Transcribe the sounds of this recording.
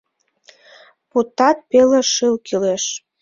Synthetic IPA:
put̪ɑt̪̚peleʃɨlkileʃ

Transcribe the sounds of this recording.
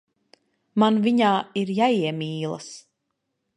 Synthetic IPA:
manviɲaːiɾjaiɛmiːlˠɐ̰s

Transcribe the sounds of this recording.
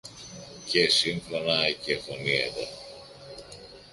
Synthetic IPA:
cesiŋfɾonɐecexonieðo

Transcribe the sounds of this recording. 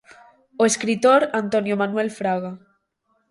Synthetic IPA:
oeskɾit̪oɾant̪onjomanwɛlfɾaɣa

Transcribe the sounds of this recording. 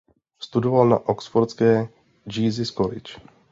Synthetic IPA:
st̪udovalna̰ʔoksfoɾskɛː | d͡ʒiːzɪskolɪ̰t͡ʃ

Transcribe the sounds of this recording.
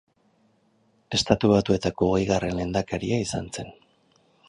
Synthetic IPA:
e̞st̪at̪uβat̪ue̞t̪ako̞ːɣejɣare̞nle̞nd̪akaɾiaisant͡se̞n

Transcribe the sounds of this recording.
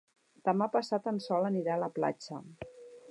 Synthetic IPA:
d̪̥əmapəsat̪ənsɔləniɾaləpla̰t͡ʃə̰

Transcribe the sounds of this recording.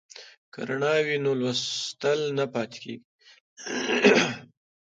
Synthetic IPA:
ka̰ɾaɳɑwinolwast̪əlnapɑt̪e̥kḛɡi

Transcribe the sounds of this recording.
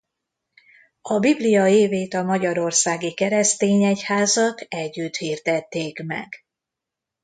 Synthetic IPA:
ɒbiblijɒeːveːt̪ɒmɒɟɒɾo̞rsaːɡikɛɾɛst̪eːɲɛchaːzɒt̪ɛɟːyt̪hiːrd̪ɛt̪ːeːkmɛ̰ɡ

